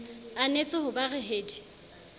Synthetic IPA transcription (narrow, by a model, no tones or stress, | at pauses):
anet͡sʼɪɦʊbarɛɦeːdi